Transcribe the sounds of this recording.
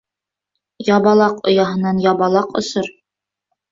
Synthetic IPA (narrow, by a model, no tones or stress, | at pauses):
jɑβɑlˠɑqŏ̰jɑɦɤ̆nɑnjɑβɑlˠɑqŏ̰sɤɾ